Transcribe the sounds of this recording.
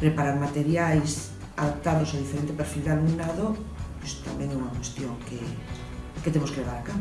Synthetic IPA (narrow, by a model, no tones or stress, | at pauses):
pɾepaɾaɾmat̪eɾjajs | aðap̚t̪aðosoð̞ifeɾent̪epeɾfild̪ealumnaðopest̪a̰mjeŋeunakwest̪joŋke | ket̪emoskeʎeβ̞aɾakaβ